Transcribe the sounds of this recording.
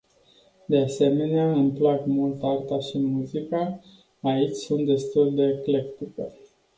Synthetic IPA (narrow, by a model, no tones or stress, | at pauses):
d̪e̞ase̞me̞neaɨmplakmult̪art̪aʃimuzikaː | it͡ʃʲsunt̪̚d̪e̞st̪uld̪e̞klekt̪ike